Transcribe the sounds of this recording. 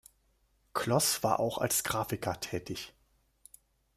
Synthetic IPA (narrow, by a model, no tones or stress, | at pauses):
kʰlɔsv̥aːɐʔaʊxa̰lsɡ̥ʁaːfɪkʰɐtʰɛːtʰɪç